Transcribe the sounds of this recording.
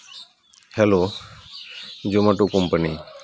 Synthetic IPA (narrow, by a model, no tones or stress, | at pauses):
hɛlo | d͡ʒomaʈukumpəni